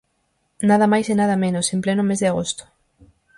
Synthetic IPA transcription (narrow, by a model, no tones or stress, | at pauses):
naðamajsenað̞ɐmẽnosemplenʊmezðɪaɣ̞ost̪o̥